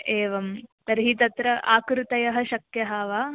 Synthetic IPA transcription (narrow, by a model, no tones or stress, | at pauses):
eːʋɐmt̪ɐɾɦit̪ɐt̪ɾɐʔa̰ːkɾut̪ɐjɐɦɐ̆ʃɐkjɐɦɐːʋaː